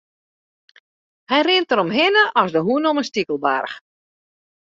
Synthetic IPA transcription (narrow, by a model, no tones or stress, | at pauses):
hɛjrɪntəɾɔmɦɪnəʔɔsdəɦuənɔmənstikəlˠba̰rx